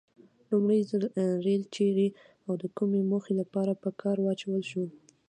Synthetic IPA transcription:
lumɽəjzɾelt͡ʃeɾi | awd̪əkumemoxelapɑɾapəkʰɑɾwɑt͡ʃawəlʃu

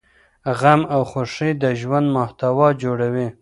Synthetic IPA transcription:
ɣamawxoʂid̪əʒwand̪mʊht̪awɑd͡ʒoɽawi

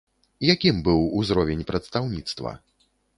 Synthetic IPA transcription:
jakʲimbɨwuzɾɔvʲɛnʲpɾɐt̪st̪awnʲit̪st̪vɐ̰

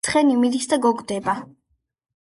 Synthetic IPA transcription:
χɛnimid̪isd̪aɡɔɡd̪ɛba

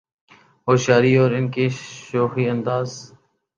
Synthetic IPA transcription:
ɦoːʃaːɾiːɔːɾɪnkeːʃoːxiːənd̪aːz

